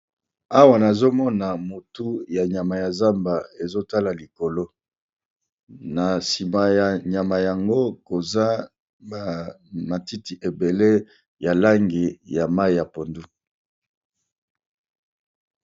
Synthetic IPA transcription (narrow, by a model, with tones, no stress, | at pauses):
a˦wa˨na˨zo˦mɔ˦na˨mo˨tu˦ja˨ɲa˨ma˨ja˨za˦mba˨e˨zo˦ta˦la˨li˨ko˨lo˦ | na˨si˨ma˨ja˨ɲa˨ma˨ja˨ŋɡo˦ko˨za˦ | ba˨ | ma˨ti˦ti˨ʔe˨be˨le˦ | ja˨la˦ŋɡi˨ja˨ma˦i˨ja˨po˨ndu˦